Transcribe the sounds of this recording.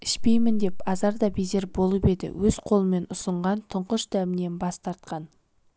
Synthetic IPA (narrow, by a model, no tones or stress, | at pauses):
ɪʃpe̞jmɪnd̪e̞pɑzɑɾd̪ɑbize̞ɾbo̞lˠəpe̞d̪ɪ̰wɵz̥qʰo̞lˠəme̞nʊsəɴʁɑnt̪ʰʊɴqəʃd̪æmɪne̞nbɑst̪ɑɾt̪̚qɑn